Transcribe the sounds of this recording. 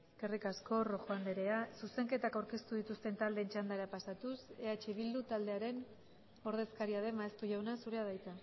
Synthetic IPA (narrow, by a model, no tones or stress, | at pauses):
ekerikasko̞roxoand̪eɾe̞asuse̞ŋke̞t̪akawɾke̞st̪uðit̪ust̪e̞nt̪ald̪e̞ːnt͡ʃand̪aɾapasat̪use̞at͡ʃeβild̪ut̪ald̪e̞aɾe̞n | o̞ɾðe̞skaɾiaðe̞maest̪uʝawnasuɾe̞aðajt͡s̪a